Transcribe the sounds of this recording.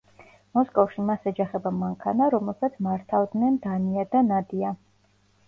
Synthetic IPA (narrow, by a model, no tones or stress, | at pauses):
mɔskʼɔfʃimasad͡ʒaχɛbamaŋkʰanaɾɔmɛlˠsat̪sʰmaɾt̪ʰavd̪nɛnd̪aniad̪anad̪ia